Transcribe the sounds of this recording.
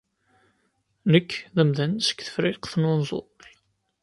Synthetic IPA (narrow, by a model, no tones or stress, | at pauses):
nəkːðəmðænsə̥kθə̥fɾɪqθnʊnzˤo̰l